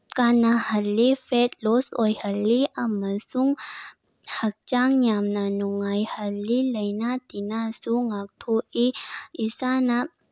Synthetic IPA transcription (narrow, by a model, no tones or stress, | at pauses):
kanahəlːifetlosojhəlːiʔaməsuŋ | hək̚t͡ʃaŋjamnanuŋajhəlːiləjnat̪inasuŋak̚ʈʰoʔiisana